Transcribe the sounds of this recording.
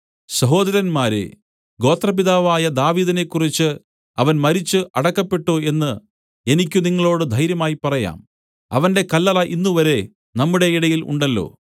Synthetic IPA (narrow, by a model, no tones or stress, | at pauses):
ɕɐɦo̞ːd̪ɐɾɐnmaːɾḛ | ɡo̞ːt̪rɐp̬iðaːʋaːjɐd̪aːʋiːðɐne̞kːurit͡ɕːɨ | ɐʋɐnmɐɾit͡ɕːɨʔɐɽɐkːɐpːe̞ʈːoːe̞nːɨ | e̞nikʲːuniŋːɐɭo̞ːɽɨd̪ʱɐjɾjɐmaːjipɐrɐja̰ːm | ɐ̰ʋɐnde̞kɐlːɐlɐʔinːuʋɐɾe̞ | nɐmːuɽe̞iɽɐjilṵɳɖɐlːo̞̰ː